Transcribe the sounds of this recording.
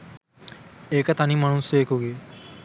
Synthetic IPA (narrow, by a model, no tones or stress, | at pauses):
eːkət̪ɐnimɐnuseːkuɡe